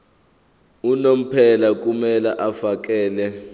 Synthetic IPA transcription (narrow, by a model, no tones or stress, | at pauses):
unom̩pʰɛlak̬ʼumɛlaʔafak̬ʼɛːlɛ